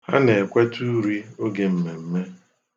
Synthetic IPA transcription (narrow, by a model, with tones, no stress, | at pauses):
ha˦ne˨e˨kʷe˦tu˦ɾi˦o˦ɡe˨m̩˨me˨m̩˦me˦